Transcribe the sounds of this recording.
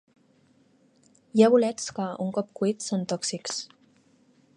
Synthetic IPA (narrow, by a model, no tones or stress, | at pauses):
jaβulɛt͡skəuŋkɔp̚kuit̪sont̪ɔksiks